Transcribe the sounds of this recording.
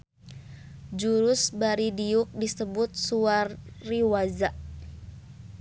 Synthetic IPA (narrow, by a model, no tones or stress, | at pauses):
d͡ʒuɾʊsbaɾidiʊk̚disəbʊt̪̚suarːiwazaʔ